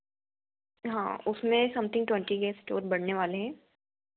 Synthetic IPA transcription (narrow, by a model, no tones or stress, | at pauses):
ɦã̰ːʊsmẽsɐ̃mt̪ʰɪ̃ŋɡʈwɛ̃ɳʈiɡɛːsʈoːɾbɐɽneʋaːleɦɛ̃ː